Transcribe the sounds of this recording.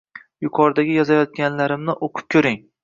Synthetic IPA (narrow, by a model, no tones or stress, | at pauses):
jʊqʰɒɾd̪aɡʲɪjɒzajɒt̪̚ɡʲanlaɾɪmnɪʔoqʰɨ̥p̚kʲʰɵɾɪŋ